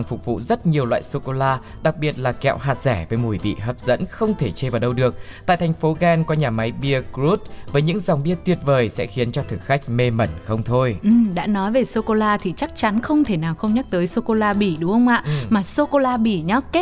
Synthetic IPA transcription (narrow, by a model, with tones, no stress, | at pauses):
ŋfʊ˨˩k͡p̚vṵ˧˨zə˦˥t̚ɲi˨˩əwlwa̰ː˧˨jso˧ko˧laː˧ | ɗa˨˩k̚ɓi˨˩ət̚laː˨˩kɛ̰˧˨wɦaː˨˩t̚zɛ˧˩vəː˨˦jmu˧˩jɓḭ˧˨ɦəː˨˩p̚z̥ə̰˧˥nxə˧wŋ͡mt̪ʰe˧˩t͡ɕe˧vaː˨˩wɗə˧wɗɨ˨˩ək̚t̪a̰ː˧˨jt̪ʰa˨˩jŋ̟fo˨˦ɣɛ˧nkɔ˨˧ɲaː˨˩ma˨˦jɓi˧əkzu˦˥t̚vəː˨˦jɲɨ̰˧˥ŋza˨˩wŋ͡mɓi˧ət̪wi˨˩ət̚vəː˨˩jsɛ̰˧˥xi˨˦ənt͡ɕɔ˧t̪ʰɨː˧˩xa˦˥jk̟̚me˧mə˧˩nxə˧wŋ͡mt̪ʰo˧jʔɨ˨˩mɗa̰ː˧˥nɔ˨˦jve˨˩so˧ko˧laː˧t̪ʰi˨˩t͡ɕa˦˥k̚t͡ɕa˨˦nxə˧wŋ͡mt̪ʰe˧˩naː˨˩wxə˧wŋ͡mɲə˦˥k̚t̪əː˨˦jso˧ko˧laː˧ɓi˧˩ɗʊ˨˦hə˧ŋ͡mʔa̰ː˧˨maː˨˩so˧ko˧laː˧ɓi˧˩ɲɔ˦ke˦˥